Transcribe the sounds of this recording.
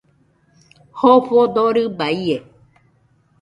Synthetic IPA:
hoɸod̪oɾɯbaie

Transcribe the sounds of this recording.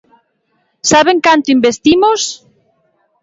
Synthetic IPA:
saβeŋkant̪ʊimbest̪imʊs

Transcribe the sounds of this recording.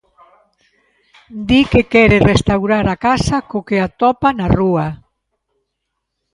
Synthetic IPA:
d̪ikekɛɾerest̪awɾaɾakasakokeat̪ɔpanarua

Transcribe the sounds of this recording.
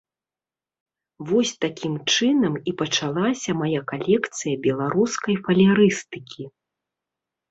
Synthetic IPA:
vɔsʲt̪akʲimt͡ʂɨnɐmipɐt͡ʂalˠasʲɐmajakalʲɛkt̪sɨjɐbʲɛlˠaɾuskɐjfɐlʲaɾɨst̪ɨkʲʰi

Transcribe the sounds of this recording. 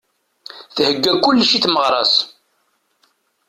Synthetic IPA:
θhəɡːækːʊlːʃiθməʁɾˤɑs

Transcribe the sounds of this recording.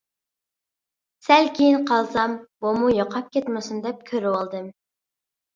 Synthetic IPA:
sælkʲʰejinqʰɑlˠsɑmbumujoqʰɑp̚kʲʰɛt̪mɪsund̪ɛp̚kʲʰøɾɪwɑlˠd̪ɨm

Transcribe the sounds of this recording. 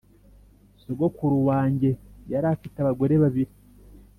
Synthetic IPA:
soɡokuɾuwaːɲɟe̞jaɾaːfitaβaɡwoɾeβaβiɾi

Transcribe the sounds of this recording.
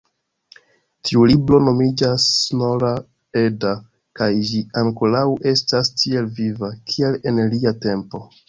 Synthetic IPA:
tʰiulibɾo̞no̞mid͡ʒasnoɾa | e̞da | kajd͡ʒiaŋko̞lawʔe̞stastʰie̞lvivakʰie̞le̞nliate̞mpo̞

